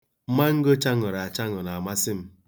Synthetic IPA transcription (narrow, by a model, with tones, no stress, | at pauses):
m̩˦ma˦ŋ̩˦ɡo˦t͡ʃa˦ŋʊ˨ɾa˨a˨t͡ʃa˦ŋʊ˨na˨a˨ma˦sɪ˦m̩˦